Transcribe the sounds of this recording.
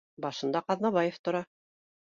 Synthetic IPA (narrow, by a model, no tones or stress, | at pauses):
bɑʃɤ̆nd̪ɑqɑðnɑβɑjeft̪ŏɾɑ